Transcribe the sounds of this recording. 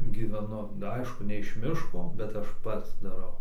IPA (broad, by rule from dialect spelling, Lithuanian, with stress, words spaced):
ɡʲiːʋʲɛˈnʊ ˈɐɪʃkʊ nʲɛ ɪʃ ˈmʲɪʃkoː bʲɛt ˈɐʃ ˈpɐts dɐˈrɐʊ